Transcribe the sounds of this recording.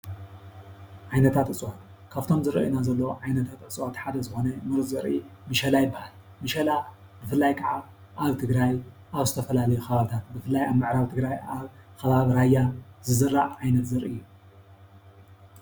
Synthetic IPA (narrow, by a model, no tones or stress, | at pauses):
ʕajnɐt̪ʰat̪ʼɨt͡sʼwat̪ | kʰaβt̪ʰo̞mzɨɾɐ̰ʔinazɐlːɐʕajnɐt̪ʰat̪ʔɨt͡sʼwat̪ħad̪ɐzɨxo̞nɐmɨɾɨzɨɾimɨʃɐlajɪbːahal | mɨʃɐla | bɨfɨlːajkʰaʕa | ʔaβt̪ʰɨɡɾaj | ʔaβzɨt̪ʰɐfɐlalɐjuxɐβaβɨt̪ʰat̪̚bɨfɨlːajaβmɨʕɾaβt̪ʰɨɡɾajaβkɐβaβɾajːazɨzɨrːaʕʕajnɐt̪zɐɾʔijːu